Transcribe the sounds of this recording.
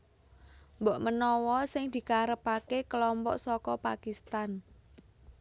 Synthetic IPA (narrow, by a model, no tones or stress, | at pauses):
mbɔʔmənɔwɔsɪŋd̪̥i̤kaɾəpakekəlɔmpɔ̰ʔsɔkɔpakist̪an